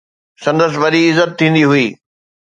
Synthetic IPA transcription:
sɐ̃nd̪əs̬ɪʋɐɗiɪzət̪̚t̪ʰːĩːnd̪iɦʊiː

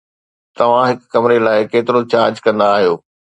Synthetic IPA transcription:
t̪ɐʋ̤ãɦɪkkɐmɪɾelaːɪkeːt̪ɪɾot͡ɕaːɾd͡ʑkɐ̃nd̪aːɦijoː

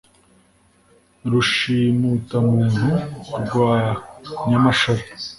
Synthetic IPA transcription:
ɾuʃiːmuːtamuːn̥uɾɡwaːɲamaʃaɾi

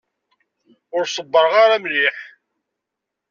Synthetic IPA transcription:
ʊɾsˤəbːəɾʁaɾamliħ

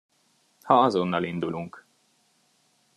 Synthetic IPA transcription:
hɒɒzonːɒlind̪uluŋk

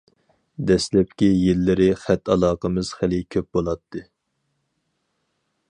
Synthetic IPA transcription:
d̪ɛslɛp̚kʲijelːɪɾɪχæt̪ːɑlˠɑːqəmɨz̥χælɪkʲʰøp̚bolˠɑt̪ʰːɨ

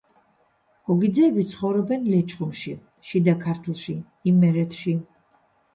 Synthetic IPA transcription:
ɡ̥ʼɔɡid̪zɛːbit̪sʰχɔvɾɔbɛnlɛt͡ʃʼχʼumʃi | ʃid̪akʰaɾt̪ʰlˠʃi | imːɛɾɛt̪ʰʃi

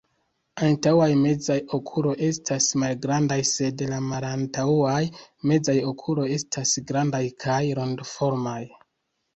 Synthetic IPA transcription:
antawajme̞d͡zajo̞kʰulo̞jʔe̞stasmalɡɾandajse̞dlamalantaajme̞d͡zajo̞kʰulo̞je̞stʰasɡɾandajkʰajɾo̞ndfo̞ɾmaj

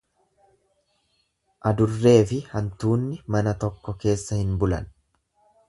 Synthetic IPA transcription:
ʔɐd̪ʊrːe̞ːfɪhɐnt̪uːnːɪmɐnɐt̪ɔkːɔke̞ːsːɐhɪnbʊlɐ̰n

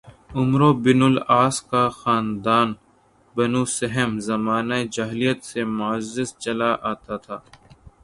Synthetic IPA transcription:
ʊmɾobɪnʊlaːskaxaːnd̪aːn | bɐnuːsɐɦəmzɐmaːnaed͡ʒaːɦlijət̪semʊəzːɪst͡ʃɐlaʔaːt̪at̪ʰaː

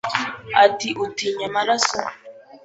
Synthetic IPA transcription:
atiʔutiɲamaɾasɔ

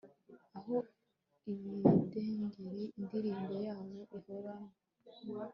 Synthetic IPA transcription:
aɦo | iβideŋɡiɾiːndiɾiːmbojaːβo̞ʔihoɾano

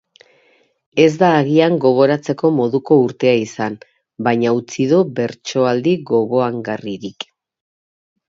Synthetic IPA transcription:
e̞zd̪aːɣiaŋɡo̞ɣ̞o̞ɾat͡se̞ko̞mo̞ðuko̞uɾt̪e̞aisan | bajɲaut͡siðube̞ɾt͡ʃo̞ald̪iɡo̞βo̞aŋɡariɾik

